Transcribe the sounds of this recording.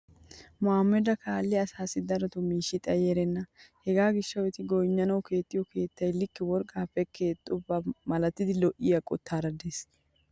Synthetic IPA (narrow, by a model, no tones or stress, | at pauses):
mʊhamːɛd̪ɐkʰaːlːɪɐsaːsɪd̪ɐɾɔt̪ʊmiːʃɪt̪ʼɐjeɾɛnːɐhɛɡaːɡɪʃːɐwɛt̪ɪɡɔjɲːɐnɐwke̞ːt̪ːɪjɔkʰe̞ːt̪ːɐjlɪkːɪwɔɾkʼːaːpːɛkʰe̞ːt̪ʼːʊbːɐmɐlɐt̪ːɪd̪ɪlɔʔɪjɐkʼɔ̰t̪ːaːɾɐd̪es